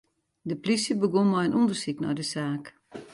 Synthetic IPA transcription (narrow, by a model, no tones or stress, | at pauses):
dəplisjəbəɡonmɔjənʔundərsiknɔ̰jdəsaːk